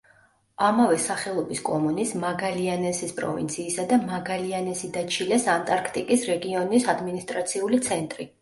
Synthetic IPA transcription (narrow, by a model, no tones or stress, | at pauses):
amavɛsaχɛlˠɔbiskʼɔmɔnismaɡalianɛsispʼɾɔ̰vḭnt̪sʰiːsad̪amaɡalianɛsid̪at͡ʃʰilɛsant̪ʼaɾkʰt̪ʼikʼisɾɛɡiɔnisad̪minist̪ʼɾat̪sʰiulit̪sʰɛnt̪ʼɾi